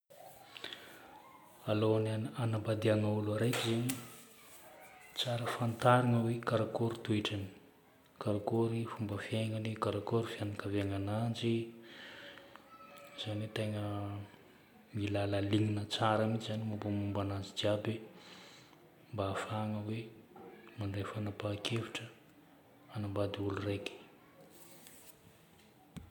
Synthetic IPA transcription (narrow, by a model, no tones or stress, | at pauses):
aloanananabad̪iaŋauluaɾejkʲizeni | t͡saɾəfant̪aɾiŋəwekaɾakoɾit̪ueʈ͡ʂani̥ | kaɾakoɾifumbəfjeŋənikaɾakoɾifianikaveaŋanand͡ʒi | z̥aniwet̪eŋə | milaləliŋinət͡saɾamit͡ʃizanimumbamumbanand͡ʒid͡ʒiabe | mbaːfaŋəwe | maɳɖ͡ʐefanapakʰefi̥ʈ͡ʂə | anambad̪iulureki̥